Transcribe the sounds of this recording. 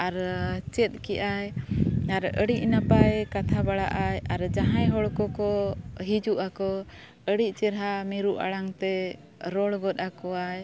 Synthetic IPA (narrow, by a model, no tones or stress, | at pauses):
aɾt͡ʃɛt̪̚kɛʔajaɾə̰ɽiʔnapajkat̪ʰabaɽa̰ʔajaɾd͡ʒaɦãjɦɔɭkɔkɔɦid͡ʒuʔakɔ | əɽiʔ̚t͡ʃɛɾɦamiɾuʔa̰ɽaŋt̪ɛ | ɾɔɽɡɔt̪̚akɔaj